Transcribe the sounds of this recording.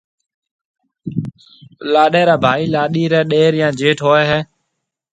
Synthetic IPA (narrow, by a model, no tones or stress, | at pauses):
laːɗeːɾaːbʱaːiːlaːɗiːɾɛːɗeːɾjãːd͡ʒeːʈʰɦoːɛːɦɛː